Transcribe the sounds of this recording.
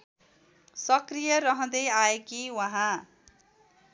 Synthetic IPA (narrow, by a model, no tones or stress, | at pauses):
sʌkrijʌɾʌɦʌ̃d̪ʌjaekiwaɦã